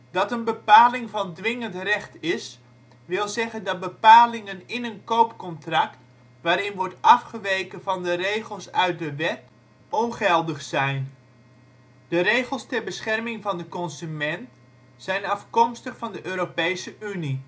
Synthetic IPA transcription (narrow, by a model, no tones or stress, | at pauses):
d̥ɑtənbəpaːlɪŋvɑndʋɪŋəntrɛχtɪs | ʋɪlˠzɛχəndɑt̚bəpaːlɪŋənɪnənkowpkɔntrɑkt | ʋaːɾɪnʋɔɹtɑfχəʋejkəvɑndərejχəlˠsœɥt̚dəʋɛt | ɔnχɛlˠdəχsɛjn | d̥ərejχəlˠstɛrbəsχɛrmɪŋvɑndəkɔnsymɛnt | sɛjnɑfkɔmstəχfɑndəʔøːɾopejsəʔyni